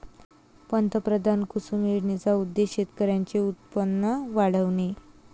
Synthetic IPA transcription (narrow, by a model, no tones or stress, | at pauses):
pənt̪əpɾəd̪ʱankusumiɽnet͡saud̪ːeɕet̪kəɾjaɲt͡ɕeut̪̚pənːəʋaɽəʋɳe